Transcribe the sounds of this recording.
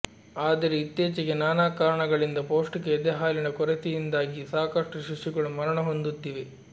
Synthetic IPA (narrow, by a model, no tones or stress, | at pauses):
aːd̪ɐɾeit̪jeːt͡ʃiɡenaːnaːkaːɾɐɳɐɡɐɭind̪ɐpoːʂʈikeːd̪ɛɦaːlinɐkɔɾet̪ijind̪aːɡisaːkɐʂʈuʃiʂuɡɐɭumɐɾɐɳɐɦo̞nd̪ut̪ːiʋe